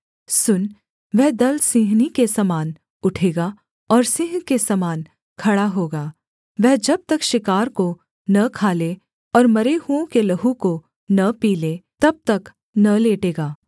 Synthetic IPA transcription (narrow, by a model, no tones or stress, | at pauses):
sʊn | ʋɛɦd̪ɐlsĩːɦnikesɐmaːn | ʊʈʰeːɡaː | ɔːɾsɪ̃ːɦkesɐmaːn | kʰɐɽaɦoːɡaː | ʋɛɦd͡ʒɐb̚t̪ɐkʃɪkaːɾko | nɐkʰaːle | ɔːɾmɐɾeɦuõkelɐɦuko | nɐpiːlet̪ɐb̚t̪ɐk | nɐleːʈeːɡaː